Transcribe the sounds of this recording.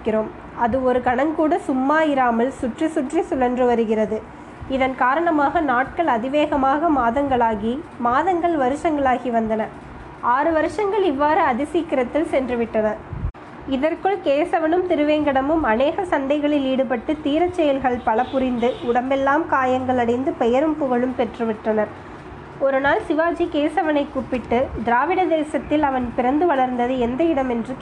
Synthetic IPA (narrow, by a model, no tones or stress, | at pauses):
kːɪɾoːm | ɐðɯɔɾɯkɐɳɐŋkuːɽɐsʊmːaːjɪɾaːmɐlsʊʈrisʊʈrisʊlɐndrɯʋɐɾɯɣɪrɐðɯ | ɪðɐnkaːɾɐɳɐmaːɣɐnaːʈ̚kɐɭɐðɪʋeːɣɐmaːɣɐmaːðɐŋɡɐɭaːɣimaːðɐŋɡɐɭʋɐɾɯʂɐŋɡɐɭaːɣiʋɐnd̪ɐnɐ | aːɾɯʋɐɾɯʂɐŋɡɐɭɪʋːaːɾɯɐðɪsiːkːɪɾɐt̪ːɪlsɛndrɯʋɪʈːɐnɐ | ɪðɐrkɯɭkeːsɐʋɐnɯmt̪ɪɾɯʋeːŋɡɐɽɐmɯmɐneːɣɐsɐɳɖɐɪɣɐɭɪliːɽɯpɐʈːɯt̪iːɾɐt͡ʃːɛjɐlɣɐɭpɐɭɐpːʊɾɪnd̪ɯʊɽɐmbɛlːaːmkaːjɐŋɡɐɭɐɽɐɪnd̪ɯpɛjɐɾɯmpʊɣɐɭɯmpɛʈrɯʋɪʈrɐnɐɾ | ɔɾɯnaːlsɪʋaːd͡ʒikeːsɐʋɐnɐɪkːupːɪʈːɯd̪ɪɾaːʋɪɽɐd̪eːsɐt̪ːɪlɐʋɐnpɪɾɐnd̪ɯʋɐɭɐɾnd̪ɐðɯɛnd̪ɐɪɽɐmɛndrɯ